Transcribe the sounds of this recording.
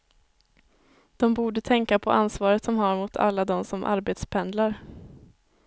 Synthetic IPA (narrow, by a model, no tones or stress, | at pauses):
d̪̥ɔmbuːɖət̪ʰɛŋkapʰɔʔansvɑːɾət̪sɔmɦaɾmʊt̪ʰa̰lːad̪ɔmsɔmʔa̰ɾbeːt̪spʰɛnd̪laɾ